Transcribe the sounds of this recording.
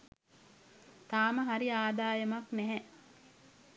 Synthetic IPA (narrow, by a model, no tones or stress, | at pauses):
t̪aːməɦaɾiaːd̪aːjɐmaknɛɦɛ